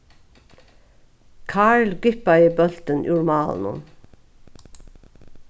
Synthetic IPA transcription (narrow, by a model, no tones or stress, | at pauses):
kʰɑːɹlɡʏpɑiːbœlt̪ənʔʊːɹmɑːln̩ʊ̰n